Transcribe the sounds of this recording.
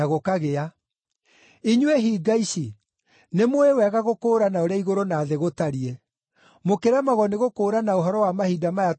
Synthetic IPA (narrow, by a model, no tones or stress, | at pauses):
aɣokaɣea | iɲweɦiːɡaiɕi | nemwewɛɣaɣokoːɾanaoɾeaiɣoɾonaːðeɣotaɾie | mokeɾamaɣɔneɣokoːɾanaoɦɔɾɔwamahidamaja